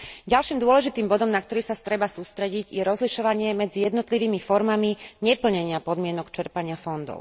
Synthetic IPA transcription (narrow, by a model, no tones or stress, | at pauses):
ɟalʃiːmd̪ʊɔlɛʒit̪iːmbɔd̪ɔmnak̚t̪ɔɾiːsast̪ɾɛbasuːst̪ɾɛɟiɟjɛɾɔzliʃɔʋaɲɪɛmɛd͡zijɛd̪nɔt̪liʋiːmifɔɾmamiɲɛpl̩ɲɛɲɪapɔd̪mɪɛnɔkt͡ʃɛɾpaɲɪafɔnd̪ɔ̰ʊ